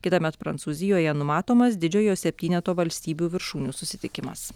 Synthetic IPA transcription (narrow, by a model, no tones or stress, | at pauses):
kʲɪt̪ɐmʲɛt̪pɾɐ̰nt̪suːzʲɪjoːjɛnʊmɑːt̪oːmɐs̬d̪ʲɪd͡ʒʲoːjoːsʲɛpʲt̪ʲiːnʲɛt̪oːʋɐlʲsʲt̪ʲiːbʲuːʋʲɪɾʃuːnʲuːsʊsʲɪt̪ʲɪkʲɪmɐ̰s